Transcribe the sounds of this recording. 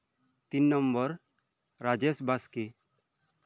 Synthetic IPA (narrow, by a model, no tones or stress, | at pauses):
t̪inːɔmbɔɾ | ɾad͡ʒesbaski